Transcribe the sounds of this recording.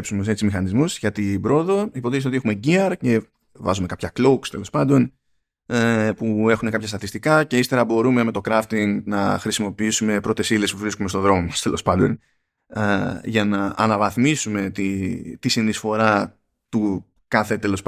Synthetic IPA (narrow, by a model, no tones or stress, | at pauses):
psunms̬et͡sizmixɐnizmuzʝɐt̪ibɾo̞ðo̞ipoðiçsot̪e̞xume̞ɟiɐɾce̞ | vɐ̰zume̞kɐpçɐklokst̪e̞lo̞spɐnd̪o̞n | pue̞xunekɐpçɐst̪ɐt̪ist̪ikɐce̞ist̪eɾɐbo̞ɾume̞me̞t̪o̞kɾɐft̪iŋɡnɐxɾisimo̞piisume̞pɾo̞t̪e̞sile̞spuvɾiskumest̪oðɾo̞most̪elo̞̰spɐnd̪o̞̰n | ʝɐnɐʔɐ̰nɐvɐθmisume̞t̪it̪isinisfo̞ɾɐ | t̪u | kɐθe̞t̪e̞lo̞sp